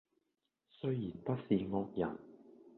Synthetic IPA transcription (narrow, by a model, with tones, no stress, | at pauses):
sɵ˥ɥji˨˩npɐ˥t̚siː˨˧ŋɔː˧k̚jɐ̰˨˩n